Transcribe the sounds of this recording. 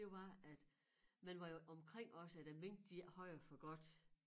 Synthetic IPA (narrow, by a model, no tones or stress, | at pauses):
d̥e̝ʋɑ̈æd̥ | mænʋɑ̈joʔɒ̽mkʰʁeŋ̰ɒ̽səæd̥æʋeŋ̰d̥d̥ihɒɪ̰ɐfɒɡ̥ɒ̽d̥